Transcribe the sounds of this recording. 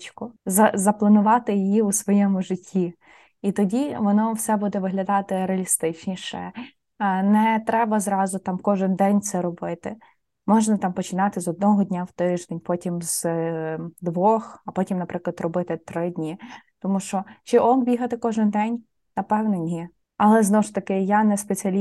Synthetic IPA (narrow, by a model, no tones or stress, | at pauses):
t͡ʃkʊzɐzɐplˠɐnʊʋɑt̪ɪjɪjiusʋɔjɛmʊʒɪtʲʰːi | it̪ɔdʲiʋɔnɔwsɛbud̪ɛʋɪɦlʲɐd̪ɑt̪ɪɾeɐlʲist̪ɪt͡ʃnʲiʃɛ̰ | nɛt̪ɾɛbɐzɾɑzʊt̪ɑmkɔʒɪnd̪ɛnʲt̪sɛɾɔbɪt̪ɪ | mɔʒnɐt̪ɑmpɔt͡ʃɪnɑt̪ɪzɔd̪̚nɔɦɔdʲnʲawt̪ɪʒd̪ɛnʲpɔtʲimz̥ | d̪ʋɔxɐpɔtʲimnɐpɾɪklˠɐd̪rɔbɪt̪ɪt̪ɾɪdʲnʲit̪ɔmuʃt͡ʃɔt͡ʃɪʔɔmbʲiɦɐt̪ɪkɔʒɪnd̪ɛnʲ | nɐpɛwnɔnʲi | ɐlˠɛznɔwʊʃt̪ɐkɪjanɛspet͡sʲiɐlʲ